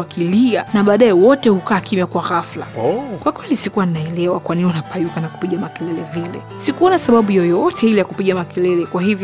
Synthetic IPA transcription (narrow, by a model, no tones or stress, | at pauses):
akilianaɓaːɗaɛwɔtɛhukaːkimjakwaɣafla̰ɔkwakwɛlisikuwaninaɛlɛwakwaninianapajukanaku̥piɠamakɛlɛlɛvilɛ̰ | sikuɔnasaɓaɓujɔjɔɔtʰɛilɛjakupiɠamakɛlɛlɛkwahivj